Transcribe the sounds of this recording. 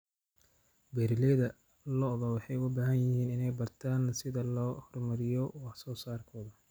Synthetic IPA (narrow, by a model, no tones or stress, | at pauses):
bɛːɾɪlɛðɐ | lɔðɐwɑħɑjbaːhɐnjɪhiːnɪnɛjbɐrt̪ʰaːnsɪðɐlɔːhɔrmɐɾɪjɔwɑħsɔːsaːrkʰɔːðɐ